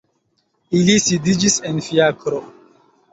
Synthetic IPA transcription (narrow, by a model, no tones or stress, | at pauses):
ilisidid͡ʒisenfiakɾo